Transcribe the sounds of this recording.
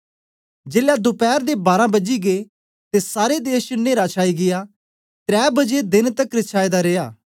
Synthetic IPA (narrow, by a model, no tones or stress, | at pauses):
d͡ʒeːljad̪ʊpɛːɾd̪eːbaːɾãːbəd͡ʒiɡeː | t̪esaːɾed̪eːʃnẽːɾaːt͡ʃʰaːiɡɪjaː | t̪ɾɛːbəd͡ʒed̪ɪnt̪əkɾɪt͡ʃʰaːed̪aɾeːjaː